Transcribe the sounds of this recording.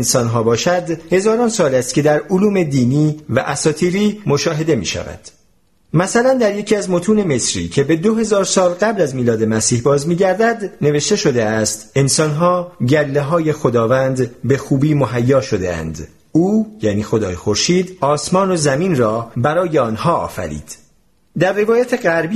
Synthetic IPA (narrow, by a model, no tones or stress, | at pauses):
nsɒnɦɒːbɒːʃæd̪he̞zɒːɾɒːnsɒːlæst̪̚cʲʰe̞d̪æɾoluːme̞d̪iːniːvæʔæsɒːt̪ʰiːɾiːmo̞ʃɒːɦe̞d̪e̞mḭːʃæ̰væ̰d̪̥ | mæsælænd̪æɾje̞cʰiːæzmot̪ʰuːne̞me̞sɾḭːcʰe̞be̞d̪oɦe̞zɒːɾsɒːlɡæblæzmiːlɒːd̪e̞mæsiːhbɒːzmiːɟæɾd̪æd̪ne̞ve̞ʃt̪e̞ʃo̞d̪eæst̪e̞nsɒnɦɒːɟælːeɦɒːje̞xod̪ɒːvænd̪be̞xuːbiːmoɦæjːɒːʃo̞d̪ḛæ̰nd̪ | uːjæːniːxo̞d̪ɒ̰ːjexo̞ɾʃiːd̪ɒːsmɒːnozæminrɒːbæɾɒːje̞ɒːnhɒːɒ̰ːfæ̰ɾḭːd̪̥ | d̪æɾːe̞vɒːjæt̪ʰeɣæɾbi